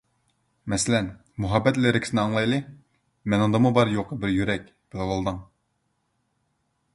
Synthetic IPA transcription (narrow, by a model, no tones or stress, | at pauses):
mɛsɪlɛn | muɦɑbːɛt̪lɪɾɪkʲi̥sɪnɪɑŋlˠɑjlˠɨ | mɛnɨŋd̪ɑmubɑɾjoqʰəbɪɾjyɾɛk̚ʲ | b̥ɪlɨlɑlˠd̪əŋ